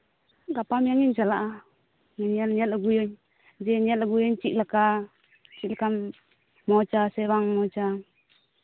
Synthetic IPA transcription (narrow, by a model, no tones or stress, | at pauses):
ɡapamiaŋiɲt͡ʃalaʔa | ŋaɲialɲalaɡujɔɲ | d͡ʒɛɲalaɡujɔɲt͡ʃiʔlaka | t͡ʃiʔlaka | mɔt͡ʃasɛβaŋmɔt͡ʃa